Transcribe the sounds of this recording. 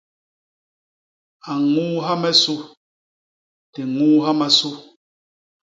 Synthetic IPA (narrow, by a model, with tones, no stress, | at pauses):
a˨ŋuː˦ɦa˦mɛ˦su˦ | tɛ˨ŋuː˦ɦa˦ma˦su˦